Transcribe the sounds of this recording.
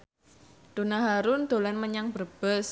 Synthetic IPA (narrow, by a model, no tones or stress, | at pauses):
d̪̥o̤naɦaɾʊnd̪̥o̤lɛnməɲaŋb̥ərb̥əs